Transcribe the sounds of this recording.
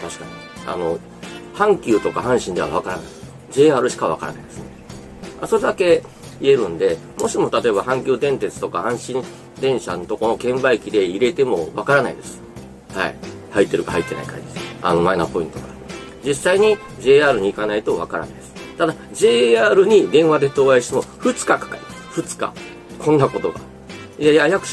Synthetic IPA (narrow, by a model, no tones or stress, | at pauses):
t̪aɕi̥kaɲ̟i | a̰no̞ | hãŋkʲɨːt̪o̞kaɦãɰ̃ɕĩnd̪e̞a̰βakaɾana̰i | d͡ʑe̞ːaːɾɯ̟ɕi̥kaβ̞a̰ka̰ɾa̰naid̪e̞sɨne̞ | aso̞ɾe̞d̪ake̞ | ie̞ɾɯ̟̃nd̪e̞ | mo̞ɕimo̞t̪at̪o̞e̞bahãŋkʲɨːd̪ẽ̞nt̪et͡sɨ̥t̪o̞kahãɰ̃ɕĩ | d̪ẽ̞ɰ̃ɕanot̪o̞ko̞no̞kẽ̞mbaikʲid̪e̞iɾe̞t̪e̞mo̞βakaɾanaid̪e̞sɨ̥ | ha̰ḭ | hait̪ːe̞ɾɯ̟kaha̰it̪ːe̞na̰ika̰ɲd͡ʑid̪esa̰no̞mainapo̞ĩnt̪oka | d͡ʑisːaiɲ̟i | d͡ʑe̞ːaːɾɯ̟ɲ̟iːkanait̪o̞βa̰kaɾa̰naid̪esɨ̥t̪ad̪ad͡ʑe̞ːaːɾɯ̟ɲ̟id̪ẽ̞ɰ̃βad̪e̞t̪o̞ːaiɕi̥t̪emoɸɯ̟t͡sɨ̥kakḁkaɾiasɸɯ̟t͡sɨ̥ka̰ | kʰõ̞nːako̞t̪o̞ɡa̰ | jajajakɯ̟̥